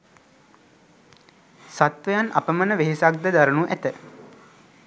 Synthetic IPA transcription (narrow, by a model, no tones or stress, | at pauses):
sat̪ʋəjanʔa̰pəmənəʋeɦesak̚d̪əd̪aɾənuʔæt̪ə